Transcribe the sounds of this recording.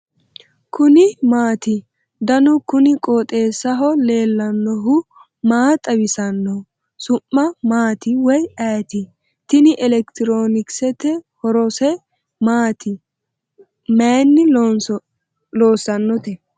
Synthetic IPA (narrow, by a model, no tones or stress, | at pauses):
kʰʊnɪmaːt̪ɪ | d̪ɐnʊkʊnɪkʼoːt̪ʼe̞ːsːɐɦɔle̞ːlːɐnːɔɦʊ | maːt̪ʼɐbɪsɐnːɔ | sʊmːɐmaːt̪ɪwɔjɛːt̪ɪ | t̪ɪnɪʔɛlɛkt̪ɪɾoːnɪksɛt̪ɛhɔɾɔsɛ | maːt̪ɪ | meːnːɪ | loːsːɐnːɔt̪ɛ